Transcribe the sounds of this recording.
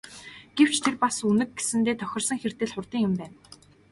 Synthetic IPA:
ɡ̥ew̥t͡ɕt̪ʰerpasunɘ̆kɡesɘ̆nt̪eːt̪ʰœxʲɪ̆rsə̆ŋxert̪ɘ̆ːɮχʊrt̪iːŋjɪmpæːn

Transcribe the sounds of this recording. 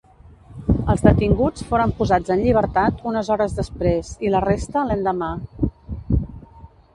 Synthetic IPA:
əlˠzðət̪iŋɡut͡sfoɾəmpuzad͡zənʎiβ̞əɾt̪at̪unəzɔɾəzðəspɾezilərest̪əlɛnd̪əma

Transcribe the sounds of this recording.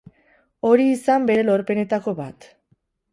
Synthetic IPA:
o̞ɾiːsambe̞ɾe̞lo̞ɾpe̞ne̞t̪ako̞βat̪

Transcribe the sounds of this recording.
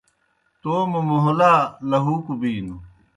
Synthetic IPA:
t̪oːmumoɦolaːlɐɦuːkubiːnu

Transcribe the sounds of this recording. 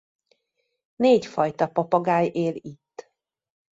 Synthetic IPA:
neːcfɒjt̪ɒpɒpɒɡaːjeːlit̪ː

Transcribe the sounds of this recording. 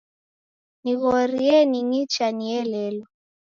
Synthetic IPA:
niβɔɾiɛniŋit͡ʃaniɛlɛːlɔ

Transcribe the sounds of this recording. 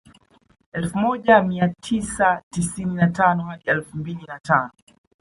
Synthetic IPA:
ɛlfumɔʄamiatʰisatisininatanɔhaɗiɛlfumbilinatanɔ

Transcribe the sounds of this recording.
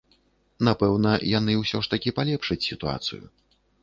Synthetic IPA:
napɛwn̪ɐjanɨwsʲɔʂt̪ɐkʲipalʲɛpʂɨt͡sʲsʲit̪ua̰t̪sɨ̰jṵ

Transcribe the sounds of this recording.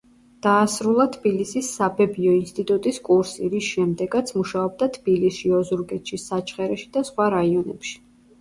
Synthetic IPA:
d̪̥aːsɾulˠat̪ʰbilisisːabɛbiɔinst̪ʼit̪ʼut̪ʼiskʼuɾsiɾisʃɛmd̪ɛɡat̪sʰmuʃaɔb̚d̪at̪ʰb̥ilisʃiɔzuɾɡɛt̪ʃisat͡ʃʰχɛɾɛʃid̪asχwaɾaiɔnɛ̰pʃi̥

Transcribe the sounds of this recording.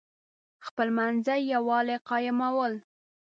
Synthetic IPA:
xpəlmanzajjawɑleqɑjɪmawəl

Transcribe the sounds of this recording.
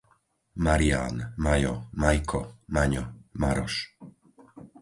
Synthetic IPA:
maɾia̰ːnmajɔmajkʰɔmaɲɔmaɾɔʃ

